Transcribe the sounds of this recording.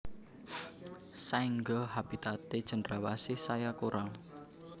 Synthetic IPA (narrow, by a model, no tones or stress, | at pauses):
saiŋɡɔɦab̥i̤t̪at̪ed̥ʒ̥ə̤nrawasɪhsajakuɾaŋ